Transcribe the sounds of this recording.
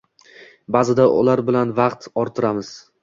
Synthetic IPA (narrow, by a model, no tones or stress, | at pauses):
bazɪd̪aʔʊ̰laɾbɪlanvɑqt̪ʰɒɾt̪ʰɪɾamɪz̥